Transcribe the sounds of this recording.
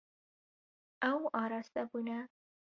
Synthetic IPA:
awɑɾɑst̪abuna

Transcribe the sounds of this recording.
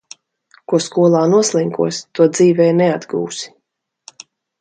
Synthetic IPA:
kuɔskuɔlˠaːnuɔslʲˠiŋkuɔst̪uɔd̪ziːvɛːnɛad̪ɡṵːsi̥

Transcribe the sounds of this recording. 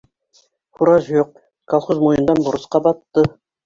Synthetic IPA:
χuɾɑʃjoq̚ | kʰɑlˠχozmojənd̪ɑnbʊɾə̆sqɑbɑt̪ːə

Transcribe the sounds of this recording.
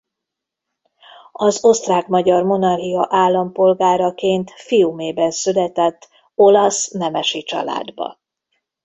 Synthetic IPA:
ɒzo̞st̪raːkmɒɟɒrmo̞nɒrɦiɒʔaːlːɒmpo̞lɡaːɾɒkeːnt̪fiumeːbɛnsylɛt̪ɛt̪ː | o̞lɒsnɛmɛʃit͡ʃɒ̰la̰ːd̪bɒ̰

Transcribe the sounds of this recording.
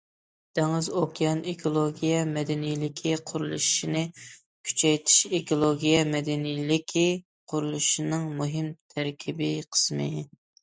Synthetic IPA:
d̪̥ɛŋɪzokʰʲjɑnekʰolˠoɡʲijɛmɛd̪ɛnijlɪkʲʰiqʰʊɾulˠṵʃʃinɨ | kʲʰy̥t͡ʃʰɛjt̪ʰi̥ʃekolˠoɡʲijɛmɛd̪ɛnijlɪkʲʰi | qʰʊɾulˠuʃinɨŋmuɦɪmt̪ʰæɾkʲʰibɪqʰə̥smɨ

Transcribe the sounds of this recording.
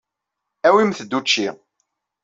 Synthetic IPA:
æwimθəd̪ːut͡ʃːi

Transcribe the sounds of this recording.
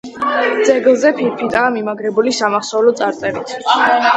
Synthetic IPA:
d̪z̥ɛɡlˠzɛpʰiɾpʰit̪ʼaːmimaɡɾɛbulisamaχsɔvlɔt̪sʼaɾt̪ʼɛɾit̪ʰ

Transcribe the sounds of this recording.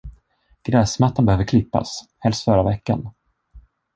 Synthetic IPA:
ɡ̥ɾɛːsmat̪ːanbɛhøːvəɾkʰlɪpːa̰shɛlst̪fœɾavɛkːan

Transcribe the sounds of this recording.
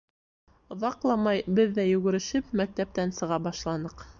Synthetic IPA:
ŏðɑqlˠɑmɑjbɘðːæjʉ̆ɡɘ̆ɾɘ̆ʃɘpmæk̚t̪æp̚t̪ænsɤ̆ʁɑbɑʃlˠɑnɤq

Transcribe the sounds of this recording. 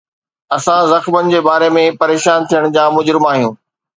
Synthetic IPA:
ɐsãzɐxmənɪ̆d͡ʑeːbaːɾemẽpɐɾeːʃaːnt̪ʰijəɽ̃d͡ʑaːmʊd͡ʑɾɪmaːɦijũː

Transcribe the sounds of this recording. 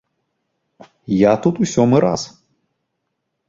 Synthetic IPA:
jat̪ut̪usʲɔmɨɾa̰s

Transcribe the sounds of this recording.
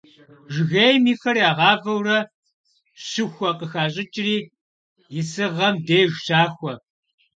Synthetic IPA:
ʒɣejmiːxɐɾiaːʁɑːvɐwrɐ | ɕɨxʷɐqəxaːɕʼɪt͡ʃʼɪriː | jɪsɨʁɐmdejʒʷʃaːxʷɔ

